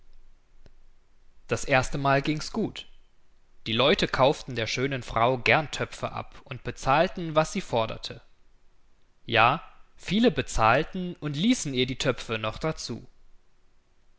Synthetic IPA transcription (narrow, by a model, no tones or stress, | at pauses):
d̥asʔeːɐstəmaːlɡɪŋsɡ̥uːt | d̥iːlɔʏtəkʰaʊftn̩deːɐʃøːnənfʁ̥a̰ʊɡɛɐntʰœpfə̰ʔa̰pʊnt̚b̥ət͡saːltn̩vasz̥iːfɔɐdɐ̰tʰə | jaːfiːləbət͡saːltn̩ʊntliːsn̩iːɐdiːtʰœpp͡fənɔχd̥at͡sṵː